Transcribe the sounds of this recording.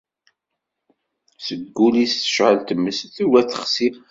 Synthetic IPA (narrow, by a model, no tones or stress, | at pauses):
səɡːulisθə̥ʃʕəlt̪əmːəsθiwæθə̥χsi